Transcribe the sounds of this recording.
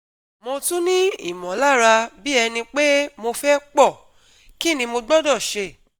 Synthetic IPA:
mo˧tu˦nĩ˦ḭ˦˨mɔ̃˨˦la˦˨ɾa˧bi˦ɛ˧nĩ˧k͡pe˦mo˧fɛ˦k͡pɔ˦˨ | ki˦˨nĩ˧mo˧ɡ͡bɔ˦dɔ˦˨ʃe˧˨

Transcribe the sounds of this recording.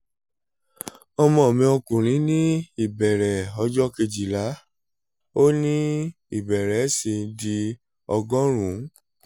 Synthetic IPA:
ɔ˧mɔ̃˧˦˨mĩ˧o˧kũ˨ɾ̃ĩ˨˦nĩ˦i˦˨bɛ˨ɾɛ˨ɔ˧˦d͡ʒɔ˦ke˧d͡ʒi˨la˨˦ | o˦nĩ˦ | i˦˨bɛ˨ɾɛ˨˦si˧˦di˧ | ɔ˧ɡɔ̃˦ɾ̃ũ˨˦

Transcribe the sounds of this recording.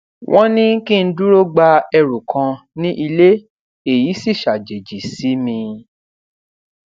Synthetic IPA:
wʔɔ̃˦nĩ˦kĩ˦n̩˦du˦ɾo˦ɡ͡ba˧ɛ˧ɾu˨kʰã˧ | nĩ˦ʔi˧le˦ | e˨ji˨˦si˦˨ʃa˨d͡ʒe˨d͡ʒi˨si˨˦mĩ˧

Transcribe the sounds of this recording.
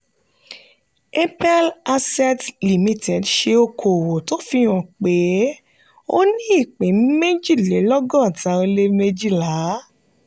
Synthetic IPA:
e˦pɛ˦la˧sɛ˦tli˨mĩ˦tʰɛ˨dʃe˧o˧kʰo˨wo˨to˨˦fi˧j̃ɔ̃˨k͡pe˨˦ | o˦nĩ˦i˦˨k͡pĩ˨˦me˦d͡ʒi˦˨le˨˦lɔ˦ɡɔ̃˦˨tã˧˦o˧le˦me˧d͡ʒi˦la˨˦

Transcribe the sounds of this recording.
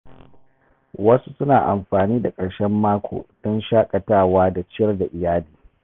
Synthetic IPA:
wɐ˦su˦sʊ˦naː˨ʔa˨mɸaː˨niː˦da˨kʼɐ˨ɽʃɛ˦mːaː˦kʷʰo̰ː˨d̥ɔ˦nʃaː˦kʼɐ˨taː˦˨waː˦da˨t͡ʃɪ˦ɐ˦rda˨ʔɪ˨jaː˦liː˨

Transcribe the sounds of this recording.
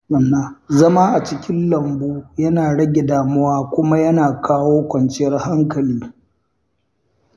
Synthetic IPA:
ɐ˨nːa˦zɐ˦ma˦ʔa˨t͡ʃɪ˦kʲɪ˦nlɐ˨mboː˦jɐ˦naː˨ɽɐ˦ɡʲe˨daː˨mʊ˦waː˦kʷʊ˦ma˦jɐ˦naː˨kʰaː˦woː˦kʷɐ˨nt͡ʃɪ˦jɐ˦rha˦ŋkɐ˨liː˦

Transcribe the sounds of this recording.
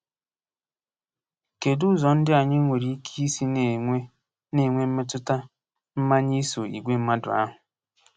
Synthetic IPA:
ke˨dʊ˦zɔ˨n̩˦dɪ˦a˨ɲɪ˦ŋʷe˨ɾi˦i˦kʰi˦si˦ne˨e˦ | ne˨ŋʷe˦m̩˦me˦tʊ˦ta˦ | m̩˦ma˦ɲi˦so˨i˨ɡʷe˦m̩˦ma˦dʊ̰˨a̰˦ɦʊ˨

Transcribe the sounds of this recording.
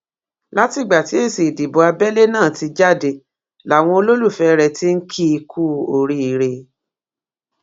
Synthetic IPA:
la˦ti˨ɡ͡ba˨ti˨˦e˦˨se˨di˨bɔ˨a˧bɛ˦le˦nãː˦˨ti˧d͡ʒa˦˨de˨ | la˨w̃ɔ̃˧o˧lo˦lu˦˨fɛ˧˨˧ɾɛ˧ti˦ŋ̩˦kʰi˦˧kʰu˦o˨ɾi˦i˨˧˨ɾe˧

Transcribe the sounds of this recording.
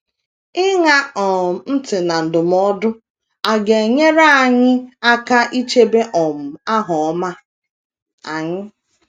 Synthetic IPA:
ɪ˦ŋa˦ɔ˨n̩˦tɪ˨na˨n̩˨dʊ˨m̩˨˦ɔ˦dʊ˦ | a˨ɡe˨ɲe˦ɾa˦a˨ɲɪ˦a˦ka˦ʔi˦t͡ʃe˦be˦ʔɔ˨m̩˨a˦ɦɔ˨ɔ˦ma˦ | a˨ɲɪ˦

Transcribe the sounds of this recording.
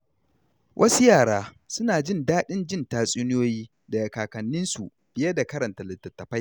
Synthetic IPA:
wʔɐ˦su˦jaː˨ɽaː˦ | sʊ˦naː˨d͡ʒɪ˦ndaː˦ɗɪ˦nd͡ʒɪ˦˨ntaː˨sʼuː˦nɪ˦oː˦jiː˦ | da˨jɐ˨kaː˨kɐ˨nːɪ˦nsu˨ | b̥ɪ˨jɐ˦da˨kɐ˦ɾɐ˨nta˨lɪ˨tːɐ˨tːɐ˨ɸa˦j

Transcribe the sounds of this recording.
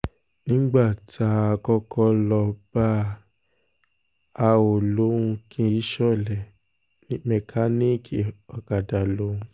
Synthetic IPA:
nĩ˦ɡ͡ba˦˨ta˨˧˦a˧kɔ˧kʰɔ˧lɔ˧b̥a˦ | a˧o˨lo˨˦ũ˧kʰĩ˦i˦ʃɔ˦˨lɛ˨ | nĩ˦mɛ˧kʰa˦ni˦kʰi˨ɔ˨ka˨da˨lo˦ũ˧˦

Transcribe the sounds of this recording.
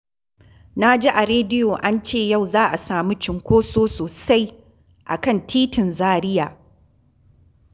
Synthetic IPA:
na˦d͡ʒi˦ʔa˨ɾeː˦dɪ˦joː˨ʔa˦nt͡ʃeː˦˨ja˦˨wzaː˦ʔa˨saː˨mi˦t͡ʃɪ˨ŋkʷoː˦soː˦soː˨sa˦j | ʔa̰˨kɐ˦˨ntʰiː˦tɪ˨nzaː˦ɾɪ˦jaː˨

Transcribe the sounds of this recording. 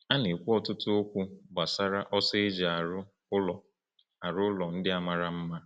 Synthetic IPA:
a˦ne˨kʷu˦ɔ˦tʊ˦tʊ˦o˦kʷu˦ba˨sa˦ɾa˦ʔɔ˦sɪ˦d͡ʒa˨a˨ɾʊ˦ | ʊ˦lɔ˨ | a˨ɾʊ˦ʊ˦lɔ˨n̩˦dɪ˦a˦ma˦ɾa˦m̩˦ma˦

